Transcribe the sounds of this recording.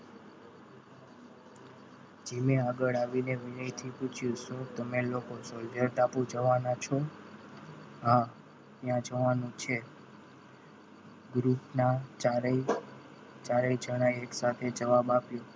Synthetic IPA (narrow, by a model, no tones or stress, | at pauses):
d͡ʒemeaɡəɭaʋineʋɪnəjt̪ʰiput͡ʃʰjusot̪əmelokosoldʱəɾʈapũd͡ʒəʋanat͡ʃʰo | ɦa | t̪jãd͡ʒəʋanũt͡ʃʰe | ɡɾupnat͡ʃaɾ | t͡ʃaɾəid͡ʒəɽ̃ajeksat̪ʰed͡ʒəʋabapjo